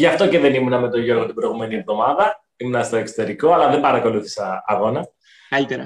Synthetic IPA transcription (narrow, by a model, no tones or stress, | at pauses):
ʝɐft̪o̞ce̞ðe̞nimunɐmet̪o̞ʝo̞ɾɣot̪ibɾo̞jɣume̞nie̞vðo̞mɐðɐ | imunɐst̪o̞ekso̥t̪e̞ɾiko̞ɐlɐðe̞mbɐɾɐko̞luθi̥sɐːɣo̞nɐ | kɐlit̪eɾɐ